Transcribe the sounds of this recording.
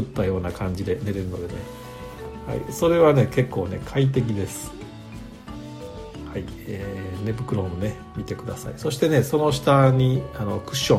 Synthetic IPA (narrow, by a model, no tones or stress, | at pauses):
ɯ̟t̪ːajo̞ːnakʰãɲ̟d͡ʑid̪e̞ne̞ɾe̞ɾɯno̞̰d̪e̞ne̞̰ | ha̰ḭso̞ɾe̞β̞ane̞ke̞kːo̞ːne̞̰kʰait̪̬e̞k̬ʲid̪e̞sɨ̥ | hai | eːne̞bɯkɯ̟ɾõ̞mne̞ | mʲit̪e̞kɯ̟d̪asa̰ḭso̞ɕi̥t̪e̞ne̞so̞no̞ɕi̥t̪aɲ̟iano̞kɯ̟ɕːõ̞